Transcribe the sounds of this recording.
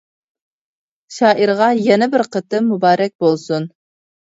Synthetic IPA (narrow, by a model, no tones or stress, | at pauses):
ʃɑːʔiɾʁɑjɛnɛbɪɾqʰət̪ɨmːubɑːɾɛk̚ʲbolˠsun